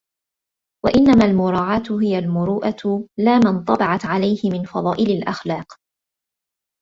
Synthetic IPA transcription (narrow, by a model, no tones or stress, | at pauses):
wa̰ʔɪnːamaːlmʊɾˤɑːʕaːt̪ʊɦɪjalmʊɾuːʔat̪laːmɪnt̪ˤɑbɑʕɑt̪ʕalajhɪmɪnfɑ̰ðˤɑːʔɪlalʔaxlɑːq